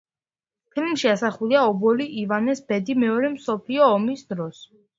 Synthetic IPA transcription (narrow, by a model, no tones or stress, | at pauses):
pʰilmʃiasaχuliaɔbɔliʔivanɛsbɛd̪imɛɔɾɛmsɔpʰliɔːmisd̪ɾɔs